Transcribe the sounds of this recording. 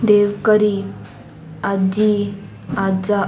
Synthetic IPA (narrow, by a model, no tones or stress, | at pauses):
d̪eʋkəɾi | ad͡ʑi | ad͡za